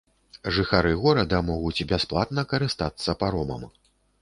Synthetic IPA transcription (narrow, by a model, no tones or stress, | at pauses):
ʐɨxaɾɨɣɔɾɐd̪ɐmɔɣut͡sʲbʲasplˠat̪nɐkɐɾɨst̪at̪sːɐpaɾɔmɐ̰m